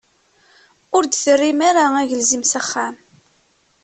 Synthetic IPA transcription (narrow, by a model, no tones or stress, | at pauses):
ʊɾd̪θərːimaɾaæʝəlzimsaχːam